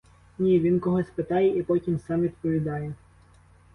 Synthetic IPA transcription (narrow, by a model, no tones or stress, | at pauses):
nʲiʋʲinkɔɦɔsʲpɪt̪ɑjɛʔipɔtʲimsɑmʋʲid̪̚pɔʋʲid̪ɑjɛ